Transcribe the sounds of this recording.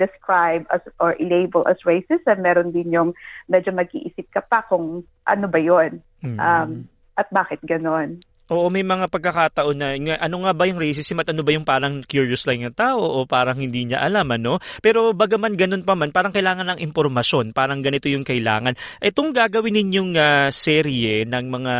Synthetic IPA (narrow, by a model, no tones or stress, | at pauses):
d̪ɛskɹajbɐsʔɔɹʔɪlejbɛlʔɐ̰sɹejsɪsɛmɛːɾond̪ɪnjʊŋmɛːd͡ʒomɐɡ̚ʔḭʔisɪp̚kɐpɐkʊŋ | ʔɐ̰nobɐjon̩ | ʔam | ʔɐt̪̚baːkɪt̪̚ɡɐno̞n | ʔo̞ːʔomɐjmɐŋapɐɡ̚kːɐkaːt̪ɐʔo̞nːɐŋaʔɐnoŋabɐjʊŋɾɛjs̬ɪsɪmɐt̪ʔɐno̞bɐjʊŋpaːɾɐŋkjuːɹjoslajnnɐt̪aːʔoʔopaːɾɐŋhɪnd̪iːɲɐ̰ʔɐlamʔɐno̞pɛːɾo̞bɐɡɐmanɡɐno̞npɐmanpaːɾɐŋkɐjlaːŋɐnɐŋʔɪmpoɾmɐʃo̞npaːɾɐŋɡɐnɪt̪o̞jʊŋkɐʔɪla̰ːŋɐnʔɛt̪oŋɡaːɡɐwɪnːɪnjoŋaːsɛːɾiɛnɐŋmɐŋa